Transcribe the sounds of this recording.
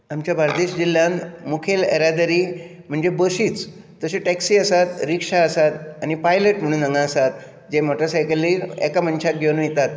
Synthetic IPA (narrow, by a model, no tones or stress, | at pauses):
amt͡ɕjabʱaɾd̪eɕd͡ʑil̤jãnmukʰelḛɾad̪əɾiː | m̤əɳd͡zebəsiːt͡s̪ː | əseʈɛksiːəsat̪ɾikʂaəsat̪añipajləʈm̤əɽ̃uːnəŋɡãəsat̪ | d͡ʑemoʈəɾsajkəlːiːɾɛ̰kam̤ənɕak̪̚ɡʱewnujet̪at̪